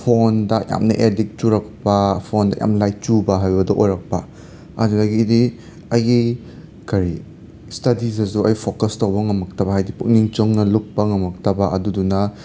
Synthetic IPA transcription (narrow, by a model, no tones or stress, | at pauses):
pʰondɐja̰mnɐ̰ʔedik̚t͡ʃuɾɐk̚pɐpʰondɐ̰ja̰mlajt͡ʃubɐɦajbɐdɐʔojɾɐk̚pɐ | a̰dunaɡidi | ɐjɡi | kʰɐɾi | stɐdizɐs̬uɐjpʰokɐstowbɐŋɐmɐk̚tɐbɐɦajdipuk̚niŋt͡ʃɯŋnɐluk̚pːɐŋɐmɐk̚tɐbɐʔɐdudunɐ